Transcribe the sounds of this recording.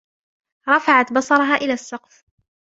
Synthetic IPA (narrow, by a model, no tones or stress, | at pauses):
ɾˤɑfaʕat̪bɑsˤɑɾˤɑɦaːʔɪlaːsːɑqf